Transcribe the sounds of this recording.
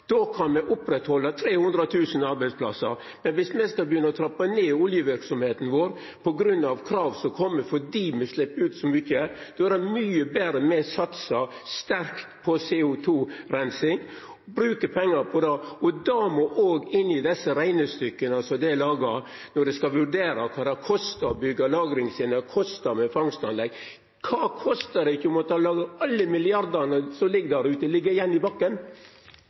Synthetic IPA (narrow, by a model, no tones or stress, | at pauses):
d̪̥oːkʰɑnmɛʔʊpɾɛt̪hɔlːət̪ʰɾeːhʊnd̪ɾət̪ʰʉːsn̩ɑɾbæɪspʰlɑ̰sə̰ɾ | mɛnʋɪsmɛskɑlbəjʏnːəɔt̪ʰɾɑpːɑneːʊljəʋɪɾksɔmheːt̪n̩ʋoːɾ | pʰɔɡɾʉnːɑʋkʰɾɑːʋsɔkʰɔmːəfɔɖiːmɛslɪpːəʉːt̪sɔmʏçəd̪̥ɔæɾɛmyːəbeːɾəmɛsɑt̪sɑst̪æɾkt̪pʰɔseːʊt̪ʰuːɾæɪnsɪŋ | bɾʉːkəpʰɛŋːɑɾpʰɔd̪ɑɔd̪ɑmoʔoːɡɪnːɪd̪ɛsːəɾæɪnəst̪ʏkːənɑsɔd̪ɛlɑːɡɑ | nɔɖɛskɑʋʉɖ̪eːɾɑkʰɑːd̪ɛkʰɔst̪ɑbʏɡːɑlɑːɡɾɪŋsɪnəkʰɔst̪ɑmɛfɑŋst̪ɑnlɛɡ | kʰɑːkʰɔst̪ɑɾɛɪçːʊmɔt̪ʰɑːlɑːɡəɑlːəmɪlɪɑɾd̪ɑnəsɔlɪɡːd̪æɾʉːt̪əlɪɡːəɾɪjɛnːɪbɑkːən